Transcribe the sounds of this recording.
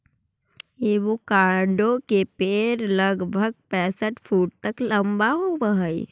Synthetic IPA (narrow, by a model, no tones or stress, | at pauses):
eʋokãːɖõkepeːɾləɡbʱəɡ̚pɛ̃ːsəʈpʰuːʈ̚t̪əkləmbaɦoʋəɦəi